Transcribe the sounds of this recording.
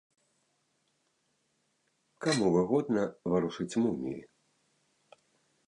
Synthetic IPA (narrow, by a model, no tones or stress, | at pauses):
kamuvɨɣɔd̪nɐvaɾuʂɨt͡sʲmɨnʲḭḭ